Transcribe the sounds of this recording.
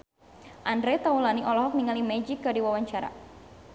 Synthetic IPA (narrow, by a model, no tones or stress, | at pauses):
ʔandɾɛt̪aulaniʔɔlɔɦɔk̚niŋalimɛd͡ʒikːadiwawaɲt͡ʃaɾa̰